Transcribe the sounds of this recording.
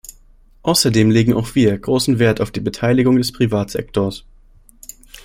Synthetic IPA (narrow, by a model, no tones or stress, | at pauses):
ʔaʊsɐdeːmleːɡŋ̩a̰ʊxv̥iːɐɡ̥ʁoːsn̩veːɐtaʊfd̥iːbətʰaɪlɪɡʊŋdɛspʁ̥ivaːtz̥ɛ̰k̚tʰoɐs